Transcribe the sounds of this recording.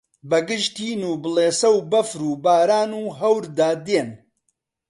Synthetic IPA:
bɐɡɨʃt̪iːnuːbɨleːsɐwbɐfɾuːbaːɾaːnuːɦɐwɾd̪aːd̪eːn

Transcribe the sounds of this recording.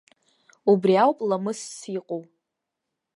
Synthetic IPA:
ubriawpʼlamɨsːiqʼow

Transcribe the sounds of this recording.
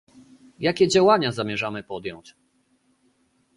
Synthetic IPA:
jakʲɛd͡ʑawaɲazamʲjɛʐamɘpɔd̪jɔɲt͡ɕ

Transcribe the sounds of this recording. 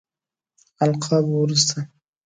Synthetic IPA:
alqʰɑbwuɾust̪a

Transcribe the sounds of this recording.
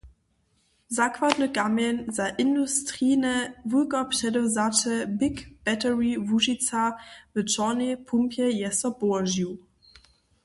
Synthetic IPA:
zakvadnəkamjɛnzaʔɪndustʁiːnəvukɔpʃɛdɔzatəbɪkb̥ɛtəʁivuʒit͡savət͡ʃɔnepʰumpjɛjɛsɐboɐʒju

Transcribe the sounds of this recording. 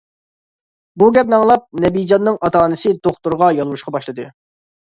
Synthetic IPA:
buɡʲɛp̚nɑŋlˠɑp̚nɛbijd͡ʒɑnːɨŋɑt̪ʰɑːnɨsɨd̪oχt̪uɾʁɑjɑlˠwuʃqɑbɑʃlˠɨd̪ɨ

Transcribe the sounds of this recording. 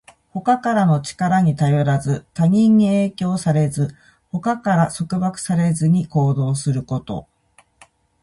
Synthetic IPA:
ho̞kakaɾano̞t͡ɕi̥kaɾaɲ̟it̪ajo̞ɾazɨt̪aɲ̟ʲĩɲ̟ːieːkʲo̞ːsaɾe̞zɨ | ho̞kakaɾaso̞kɯ̟bakɯ̟̥saɾe̞zɨɲ̟iko̞ːd̪o̞ːsɨɾɯ̟ko̞t̪o̞̰

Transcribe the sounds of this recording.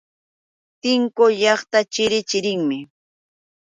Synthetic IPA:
t̪ɪŋkojɑχt̪at͡ʃɪɾɪt͡ʃɪɾɪŋmɪ

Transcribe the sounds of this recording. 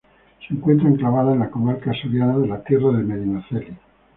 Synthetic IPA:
seeŋkwe̞nt̪ɾaeŋklaβaðaenlako̞maɾkasoɾjanaðe̞lat̪jeraðemeðinoθeli

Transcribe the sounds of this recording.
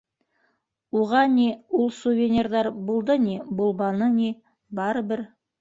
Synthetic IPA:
uʁɑne̞wʊlˠsuvʲenʲerd̪ɑɾbulˠd̪əne̞bʊlˠbɑnəne | bɑɾəbɪɾ

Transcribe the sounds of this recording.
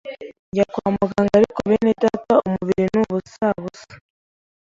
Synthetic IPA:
ɲɟakwaːmaɡaŋɡaɾikoβenetataumuβiɾinuβusaβusḁ

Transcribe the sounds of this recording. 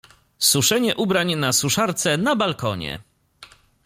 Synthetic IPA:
suʂɛɲɛʔubɾaɲɛnasuʂaɾt̪sɛnabalkɔɲɛ̰

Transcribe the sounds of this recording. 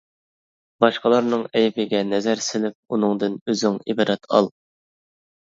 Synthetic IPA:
bɑʃqɑlˠɑɾnɨŋɛjbɪɡʲɛnɛzæɾsɪlɪp̚unɨŋd̪ɨnøzɪŋibɑdɾɛt̪ʰɑ̰lˠ

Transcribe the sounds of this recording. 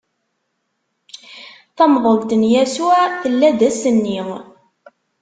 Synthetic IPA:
θɑmðˤolt̪ənjæsuθəlːæðæsənːi

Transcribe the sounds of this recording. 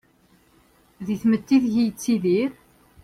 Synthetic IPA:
ðiθmət̪ːiðʝijt͡sːiðiɾ

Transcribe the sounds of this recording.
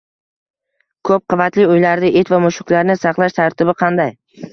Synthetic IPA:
kʰɵp̚qʰɨvat̪lɪʊjlaɾd̪ɪʔet̪vamʊʃʊkʲlaɾnɪsɑqlˠaʃt̪ʰaɾt̪ʰɪbɪqʰɑnd̪aj

